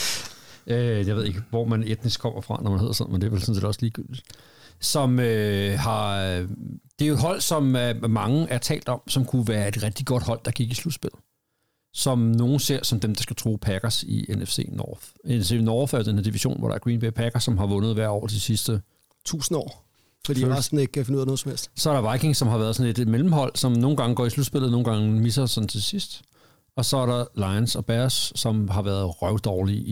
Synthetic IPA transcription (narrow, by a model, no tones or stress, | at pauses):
øjɑ̈ʋe̝ð̞̰ˠe̝ɡ̥əʋɒmæned̥nisɡ̥̚kʰɒ̽m̰ɐfʁɑ̈nɒmæne̝ð̰ˠɐsɒn̩mend̥e̝ɐʋelsɔ̽n̩se̝ːd̥ɒ̽sliːɡ̥yl̰d̥id̥ | sɒ̽møhɑ̈ | d̥e̝æjo̝ed̥ɦɒ̽l̰sɒ̽mmɑ̈ŋəʔæɐt͡sʰɛ̰ːld̥ɒ̽msɒ̽mkʰuʋæːɐe̝d̥ʁɛɡ̥̚d̥iɡ̥ɒ̽d̥hɒ̽l̰d̥ɑ̈ɡ̥iɡ̥islud̥sb̥e̝l̰ð̩ˠ | sɒ̽mno̝ːn̩se̝ɐ̰sɒ̽md̥emd̥ɑ̈sɡ̥æt͡sʰʁoːpʰæɡ̥ɐsḭenefse̝̰ːnɒːfenese̝nɒːfæɐdenheɐd̥iʋiɕo̝̰ːnʋɒ̰ɾɑ̈æɐɡ̥ʁiːnb̥epʰæɡ̥ɐsɒ̽mɦɑ̈ʋɔ̽nð̩ˠʋæɐ̰ɒ̰ːt͡sʰesisd̥ə | t͡sʰṵːsn̩ɒ̰ː | fɒd̥ḭɑsd̥n̩e̝ɡ̥ə̥kʰæfenuð̰ˠɐnɔ̽ð̩ˠsɒmhel̰sd̥sɒæɐɾ̥ɑ̈ʋɑ̈ɪkʰe̝ŋsɒ̽mɦɑ̈ʋæɐð̩ˠsɒ̽nle̝d̥melm̩ɦɒ̽l̰sɒ̽mno̝ːn̩ɡ̥ɑ̈ŋəɡ̥ɒ̰ːislud̥sb̥e̝lð̩ˠno̝ːn̩ɡɑ̈ŋmisɐsɒ̽n̩t͡sʰe̝lsisd̥ | ɒ̽sɒ̽æɐɾɑ̈lɑ̈ɪnsɒ̽b̥æsːɒ̽mɦɑ̈ʋæɐðˠʁɶʊd̥ɒːli